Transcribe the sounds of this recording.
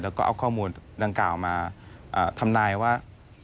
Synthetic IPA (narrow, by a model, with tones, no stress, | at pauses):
lɛː˦˥wkɔː˥˩ʔa̰˧wkʰɔː˥˩muː˧nda˧ŋkaː˨˩wmaː˧ʔaː˨˩t̪ʰa˧mnaː˧jwaː˥˩